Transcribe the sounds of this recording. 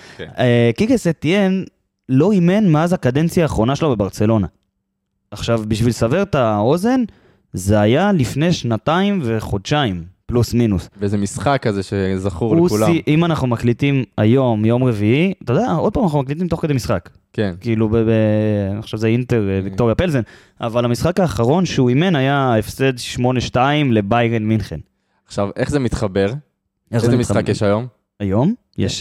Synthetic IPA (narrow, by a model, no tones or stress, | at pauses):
ekikesetien | lo̞ime̞nmeazakad̪e̞nt͡sjaːχʁo̞naʃelobe̞baʁt͡se̞lo̞naː | χʃavbiʃvilsaveʁt̪ao̞ze̞n | ze̞ajalifne̞jʃnataimve̞χo̞d̪ʃaimplusminusvezemisχakːazeʃezaχuʁlukuslaiʔimanaχnumaklit̪ima̰jo̞mjo̞mʁe̞viiat̪ad̪ao̞d̚paːmanaχumaklit̪̬imt̪o̞χked̪emisχak | kenkiilubebenioʃavzeint̪e̞ʁevik̚t̪o̞ʁjapelzen | ʔa̰valhamisχakaːχaʁo̞nʃuime̞najaefsed̪ʃmo̞neʃtaimle̞bajʁenminχen | aχʃaveχzemit̪χabe̞ʁ | ʔezimiakjeʃajo̞m | ajo̞m | jḛʃ